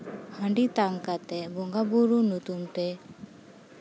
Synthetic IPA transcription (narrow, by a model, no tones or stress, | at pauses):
hə̃ɳɖit̪aŋkat̪ɛbɔŋɡabuɾunut̪umʈɛ